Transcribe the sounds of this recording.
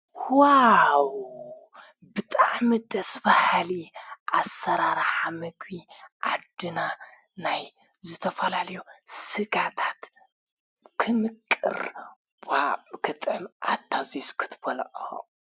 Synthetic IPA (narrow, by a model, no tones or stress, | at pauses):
waw | bɨt̪ʼaʕmid̪ɐsbahliʔasːɐɾaɾħamɨɡbiʔa̰d̪ɨna | naj | zɨt̪ʰɐfɐlalɐjusɨɡat̪ʰat̪ | kʰɨmɨkʼːɨ̰ɾ | bakʰɨt̪ʼɨmʔa̰t̪ʰːaziskʰɨ̥t̪ʰbɐlʕo̰